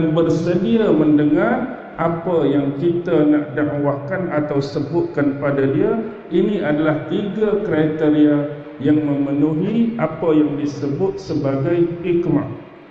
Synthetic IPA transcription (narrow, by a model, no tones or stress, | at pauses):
anbərsədiamə̃ndəŋar | ʔapajaŋkit̪anaʔdaʔwakanat̪awsəbʊt̪̚kanpadadia | iniadalaht̪iɡakɾajt̪eɾia | jaŋmə̃mənuɦiapajaŋdisəbʊt̪̚səbaɡajikmaʔ